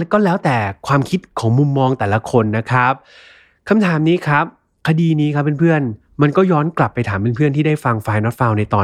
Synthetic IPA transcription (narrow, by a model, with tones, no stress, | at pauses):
kɔː˥˩lɛː˦˥wt̪ɛː˨˩kʰwaː˧mkʰi˦˥t̪̚kʰɔː˩˦ŋmu˧mːɔː˧ŋt̪ɛː˨˩la˧kʰo˧nːa˦˥kʰɾa˦˥p̚ | kʰa˧mt̪ʰaː˩˦mniː˦˥kʰɾa˦˥p̚ | kʰa˧diː˧niː˦˥kʰa˦˥pːe˧npʰɯ˥˩ən | ma˧nkɔː˥˩jɔː˦˥nkla˨˩pːa˧jt̪ʰaː˩˦mpe˧npʰɯ˥˩ənt̪ʰiː˥˩daː˥˩jfa˧ŋfaː˧jnɔ˦˥t̪̚faː˧wna˧jt̪ɔː˧